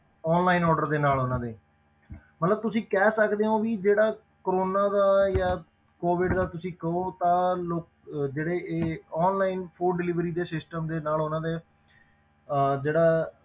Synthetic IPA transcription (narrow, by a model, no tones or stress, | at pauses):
ɔːnlaːinɔːɾɖəɾd̪eːnaːlɦoːnãːd̪eː | mət̪ləb̚t̪ʊsĩːkɛːsəkd̪eːõːʋiːd͡ʒeːɽaː | kəɾoːnaːd̪aːjaː | koːʋɪɖd̪aːt̪ʊsĩːkəoːt̪ãːloːk̚ | d͡ʒeːɽeːeːɔːnlaːinpʰoːɖɪlɪʋɾiːd̪eːsɪsʈəmd̪eːnaːlɦoːnãːd̪eː | d͡ʒeːɽaː